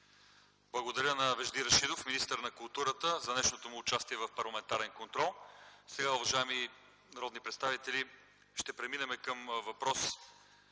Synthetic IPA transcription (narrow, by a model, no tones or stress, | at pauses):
blˠɐɡod̪ɐɾʲənɐvɛʒd̪iɾɐʃid̪ofminist̪əɾnɐkʊlˠt̪uɾət̪əzɐnɛʃnot̪omʊːt͡ʃast̪iɛvɐfpɐɾlˠɐmɛnt̪aɾɛnkont̪ɾɔlˠsɛɡaʊvɐʒaɛmi | nɐɾɔd̪nipɾɛt̪st̪avit̪ɛli | ʃt̪ɛpɾɛminɛmɛkəmvɐpɾɔs